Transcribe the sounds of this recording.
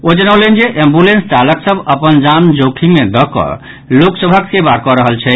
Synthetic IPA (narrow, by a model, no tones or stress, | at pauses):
od͡ʒənəwlend͡ʒeʔẽmbulensʈaləksəbʱəpənd͡ʒamd͡ʒokʰimed̪ɔkɔ̰ | loksəbʱəksebaɾkɔɾəɦəlt͡ʃʰɛ